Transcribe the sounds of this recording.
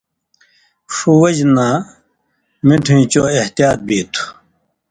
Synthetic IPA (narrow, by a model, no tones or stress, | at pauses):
ʂuwɐd͡ʑnaː | miʈʰĩːt͡ɕoːeht̪ijaːt̪̚biːt̪ʰu̥